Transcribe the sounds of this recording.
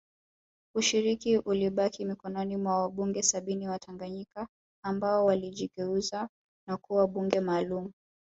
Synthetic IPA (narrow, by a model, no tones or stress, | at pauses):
uʃiɾikiʔuliɓakʰimikɔnɔnimwawaɓuŋɡɛsaɓiniwatʰaŋɡaɲikaː | mbaɔwaliʄiɡɛuza | nakuwaɓuŋɡɛmaːlumu